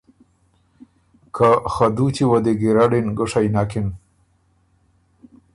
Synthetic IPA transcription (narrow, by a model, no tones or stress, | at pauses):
kʰaxad̪utiwad̪eɡiɾaɽinɡəʂajnakɪn